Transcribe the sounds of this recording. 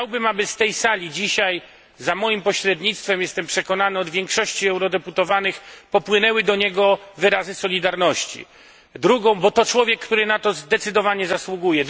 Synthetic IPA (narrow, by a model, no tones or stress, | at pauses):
xt͡ɕawbɘmabɘst̪ɛjsalʲid͡ʑiɕaj | zamɔjimpɔɕɾɛd̪ɲit̪st̪fɛmjɛst̪ɛmpʂɛkɔnanɘɔd̪vʲjɛŋkʂɔɕt͡ɕiɛwɾɔd̪ɛput̪ɔvanɘxpɔpwɘnɛwɘd̪ɔɲɛɡɔvɘɾazɘsɔlʲid̪aɾnɔɕt͡ɕḭ | d̪ɾuɡɔ̃w̃bɔt̪ɔt͡ʂwɔvʲjɛkːt̪uɾɘnat̪ɔzd̪ɛt̪sɘd̪ɔvaɲɛzaswuɡujɛ